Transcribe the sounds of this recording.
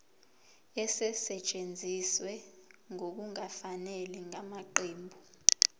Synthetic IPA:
ɛsɛsɛt͡ʃʼend͡zʱiswɛŋok̬uŋafanɛliŋamaǃeːmbʱu

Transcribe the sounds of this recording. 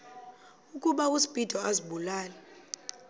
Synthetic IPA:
uk̬ʼuɓak̬ʼusi̥b̥ʼid̥ʱɔaziɓulaːlɛ

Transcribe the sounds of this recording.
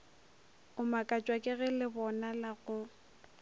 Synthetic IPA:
ʊmakʼat͡ʃʼwakʼɪɣɪlɪbɔnalaɣʊ

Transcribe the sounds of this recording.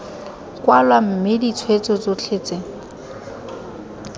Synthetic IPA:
kwalwam̩mɪdit͡sʰwet͡sɔt͡sot͡ɬʰet͡seŋ̩

